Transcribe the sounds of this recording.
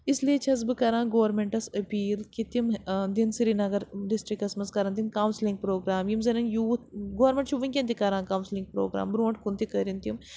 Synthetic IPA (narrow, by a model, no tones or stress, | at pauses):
ɪslijet͡ʃʰɐz̬bɨkɐɾãːɡoːɐɾmẽɳʈɐsɐpiːlkit̪imd̪insiɾinɐɡɐɾɖisʈɾikːɐsmɐskɐɾɐnt̪inkaːwnslĩŋɡ̚pɾoːɡɾaːmjimzɐnɐnjuːt̪ʰɡoːɐɾmẽɳʈt͡ʃʰuʋinkʲẽnt̪ikɐɾãːkaːwnslĩŋɡ̚pɾo̰ːɡɾa̰ːmbɾuːɳʈkunt̪ikɐɾint̪ium